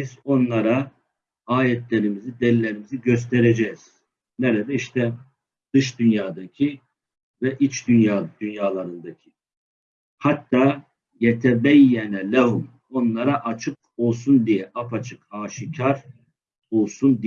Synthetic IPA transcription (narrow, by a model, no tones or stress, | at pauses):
bizo̞nlˠaɾa | aːjɛt̪ʰlʲeɾimizid̪ɛlːʲeɾimiziɟøs̬t̪ʰɛɾɛd͡ʒɛz̥ | nɛɾɛd̪ɛiʃt̪ʰɛ | d̪̥ɯʃd̪ynjaːd̪acʰi | vɛʔit͡ʃd̪ynjad̪̥ynjaːlˠaɾɯnd̪acʰi̥ | hat̪ʰːaː | jɛt̪ʰɛbɛjːɛnlæɦum | o̞nlˠaɾaʔat͡ʃʰɯk̚ | o̞lˠsund̪ijɛʔapʰat͡ʃʰɯ̥kaːʃicʰaɾ | olˠsund̪i